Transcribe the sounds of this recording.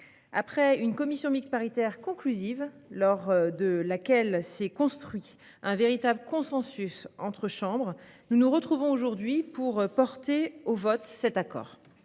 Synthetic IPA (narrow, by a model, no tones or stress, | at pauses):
a̰pχɛynkɔmisjɔ̃mikspaʁit̪ɛʁkɔ̃klyzivlɔʁd̪əlakʲɛlsɛkɔ̃st̪χɥi | ɛ̃veʁit̪abləkɔ̃sɑ̃sysɑ̃t̪χəʃɑ̃bʁnunuʁət̪χuvɔ̃oʒuʁd̪ɥipuʁpɔʁt̪eovɔt̪sɛt̪akɔ̰ːʁ